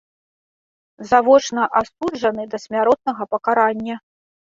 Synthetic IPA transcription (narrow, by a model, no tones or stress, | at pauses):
zavɔt͡ʂnɐʔast̪ud͡ʐɐnɨd̪ɐsʲmʲaɾɔt̪̚nɐɣɐpɐkaɾanʲːɐ